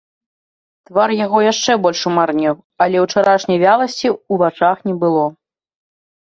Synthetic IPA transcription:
t̪varjaɣɔjaʂt͡ʂɛbɔlʲʂumarnʲɛw | ɐlʲɛwt͡ʂaɾaʂnʲɐjvʲalˠɐsʲt͡sʲiuvat͡ʂaxnʲɛbɨlˠɔ

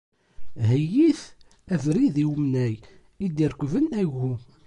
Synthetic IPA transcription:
ɦæjiθ | ævɾiðiwəmnæj | id̪iɾkʷːvənæʝu

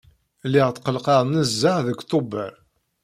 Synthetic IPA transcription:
lɪʁt̪qəlqɑɾˤnəzːəʕðəkʷt̪obəɾ

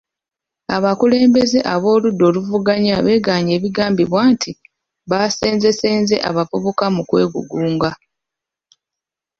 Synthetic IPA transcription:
aβakule̞ːmbe̞ze̞ʔaβo̞ːludːo̞ːluvuɡaɲaβe̞ːɡaːɲe̞ːβiɡaːmbiβwaːntʰi | βase̞ːnze̞seːnze̞̰ʔa̰βapoβokamukwe̞̰ːɡṵɡuːŋɡa

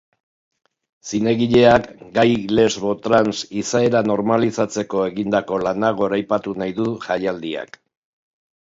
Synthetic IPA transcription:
sine̞ɣiʎe̞akɡajle̞zβo̞t̪ɾansisae̞ɾano̞ɾmalisat͡se̞ko̞e̞ɣind̪ako̞lanaɣ̞o̞ɾajpat̪unajðuʝajald̪ia̰k

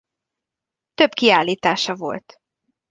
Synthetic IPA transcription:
t̪ø̞bkiaːlːiːt̪aːʃɒvo̞̰lt̪

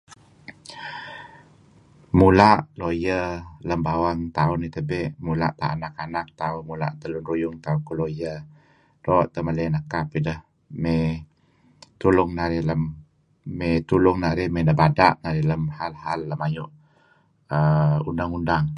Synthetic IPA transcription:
mulaʔlojələmbawaŋt̪aʊnit̪əbeʔmula̰ʔt̪a̰ʔanakanak̚t̪aʊnmula̰ʔt̪əlʊnɾujʊŋt̪aukulojə | doʔt̪əmələnəkapidəh | me | t̪ulʊŋnaɾɪləmː | et̪ulʊŋnaɾɪhmenəbadaʔnaɾɪləmhalhalːəmajʊʔ | əundaŋundaŋ

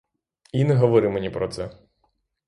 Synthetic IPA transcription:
inɛɦɔʋɔɾɪmenʲipɾɔt̪sɛ

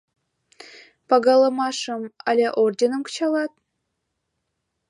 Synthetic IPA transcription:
pɑɡɑləmɑʃəmɑ̰lʲeʔordʲenəmkə̥t͡ɕɑlɑt̪̚

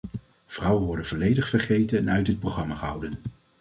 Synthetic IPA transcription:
v̥rʌwənʋɔɹdənvɔlejdəχfəɹχejtənœɥtdət̚prowχrɑmaːχəɦʌ̰wdən

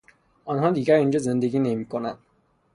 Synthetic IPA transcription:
ɔnɦɔ̃d̪ikaind͡ʒɔzend̪əɡinemikɔna

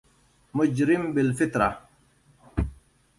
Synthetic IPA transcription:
mʊd͡ʒɾɪmbɪlfɪt̪ɾa̰

